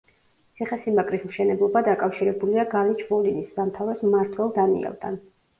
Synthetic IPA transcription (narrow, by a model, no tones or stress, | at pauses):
t̪sʰiχɛsimakʼɾismʃɛnɛblˠɔbad̪akʼafʃiɾɛbuliaɡalit͡ʃʰmɔlinisːamt̪ʰavɾɛsmaɾt̪ʰwɛlˠd̪anḭɛ̰lˠd̪ʰa̰n